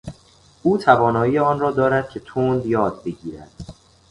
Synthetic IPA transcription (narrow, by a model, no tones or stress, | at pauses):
ʔuːt̪ʰævɒːnɒːiːeɒːnrɒːd̪ɒːɾæd̪̥̚cʲʰe̞t̪ʰond̪jɒːd̪̚be̞ɟiːɾæ̰d̪̥